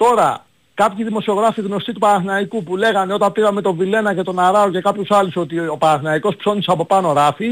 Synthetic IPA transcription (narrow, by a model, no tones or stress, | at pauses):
t̪o̞ɾɐ | kɐpçiðimo̞sio̞ɣɾɐfiɣno̞st̪it̪upɐθnɐikupule̞ɣɐne̞o̞t̪ɐmpiɣɐme̞t̪o̞vile̞nɐce̞t̪o̞nɐɾɐo̞ce̞kɐpçusɐluso̞t̪io̞pɐθinɐiko̞spso̞niseɐpo̞pɐno̞ɾɐfi